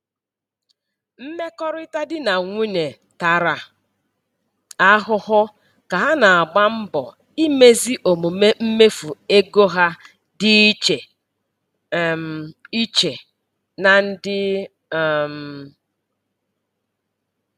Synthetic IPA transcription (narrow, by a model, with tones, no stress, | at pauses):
m̩˦me˦kɔ˦ɾʊ˦ɪ˦ta˦dɪ˦na˨ŋʷi˦ne˨ | ta˨ɾa˨ | a˦ɦʊ˦hʊ˦ | ka˨ɦa˦na˨a˨ɡ͡ba˦m̩˦bɔ̰˨ | i˦me˦zi˦ʔo˨mu˨me˦m̩˦me˦fu˨e˦ɡo˦ɦa˦ | dɪ˦t͡ʃe˨ | i˦t͡ʃe˨ | na˨n̩˦dɪ˦˨ | m̩˨